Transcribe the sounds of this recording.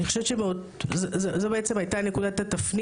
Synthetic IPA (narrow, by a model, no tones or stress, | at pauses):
nixχo̞ʃevet͡ʃemeod̪ | zzozobeet͡semajt̪ane̞kud̪at̪at̪afni